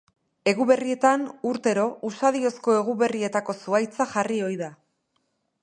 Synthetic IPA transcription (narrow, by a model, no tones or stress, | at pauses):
e̞ɣuβe̞rie̞t̪anuɾt̪e̞ɾo̞usaðio̞sko̞e̞ɣuβe̞rie̞t̪ako̞suajt͡saʝario̞jða